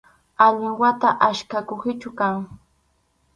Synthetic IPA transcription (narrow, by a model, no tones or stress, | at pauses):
aʎʊwat̪aʔaʃkakoχɪt͡ʃʊkaŋ